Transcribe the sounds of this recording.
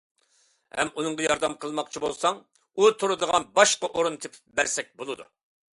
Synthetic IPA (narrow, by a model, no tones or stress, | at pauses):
hɛ̰munɨŋʁɑjɑɾd̪ɛmqʰəlˠmɑqt͡ʃʰibolˠsɑŋ | ut̪ʰuɾɨd̪əʁɑnbɑʃqɑʔoɾunt̪ʰɪpʰɪ̥pbæɾsɛk̚ʲbolˠɨd̪ṵ